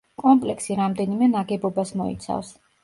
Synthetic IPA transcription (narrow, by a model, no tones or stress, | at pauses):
kʼɔmpʼlɛksiɾamd̪ɛnimɛnaɡɛbɔbasmɔḭt̪sʰa̰fs